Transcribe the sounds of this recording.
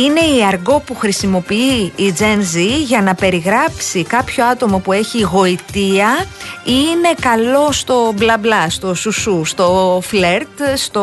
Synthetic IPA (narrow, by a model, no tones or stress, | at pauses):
ine̞iɐɾɣo̞puxɾisimo̞piiːd͡ze̞nziʝɐnɐpe̞ɾiɣɾɐpsikɐpço̞ɐt̪o̞mo̞pue̞çiɣo̞it̪iɐine̞kɐlo̞st̪o̞blɐblɐst̪o̞susust̪o̞fleɾt̪st̪o